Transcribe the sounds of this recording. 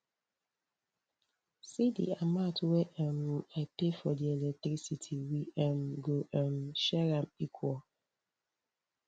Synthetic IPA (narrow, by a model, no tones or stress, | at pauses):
sidḭamatweʔɛmapefɔdielɛtɾisitʰiwiɛmɡoʔɛmʃɛɾamikʰwɔ